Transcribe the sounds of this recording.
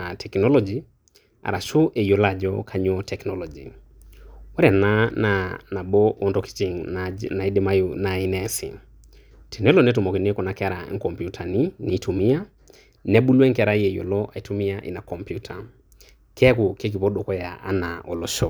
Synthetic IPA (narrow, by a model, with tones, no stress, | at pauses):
a˨tʰɛ˨knɔ˦lɔ˦d͡ʒi˨ | a̰˨ɾa˨ʃo˦ʔe˨jo˨la˨d͡ʒɔ˦kʰa˨ɲɔ˦tɛ˨knɔlɔ˨d͡ʒi˨ | wɛ˦ɾa˨na˦na˨na˨bɔ˦ɔ˨ntɔ˦ki̥˦t͡ʃi˨ŋna˨i˦de˦ma˦juna˨i˦nɛ˦sɪ̰˨ | tʰi˨nɛ˦lɔ˨nɛ˦tu˨mɔ˨ki˨n˦kɔ˨na˨kɾa˨˦ŋ̩˦kɔ˨mpju˦tʰa˨ni˦ni˨˦tʰu˨mi˦a˦ | nɛ˦bu˦lɛ˦ŋkɛ˨ɾa˦je˨jo̰˨lɔ˦ʔa˨tu˦mi˦a˦ʔɪ̰˨na˨kɔ˨mpju˦tʰa˨ | kɛ˦ku˨ke˦k̬i˨pɔ˦do˨kɔ˦ja˨ʔa̰˨˦na˨ɔ˨lɔ˨ʃɔ˦